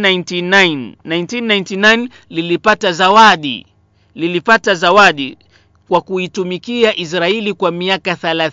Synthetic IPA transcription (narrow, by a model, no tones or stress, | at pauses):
nantinːajntinːajntinajn | lilipatazawaɗḭ | lilipatazawaɗi | kwakuitumikiaʔis̬ɾaɛlikwamiakaθalaθ